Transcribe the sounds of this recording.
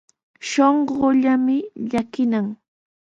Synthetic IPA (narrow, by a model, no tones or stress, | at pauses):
ʃoɴɢoʎamɪʎakɪnaŋ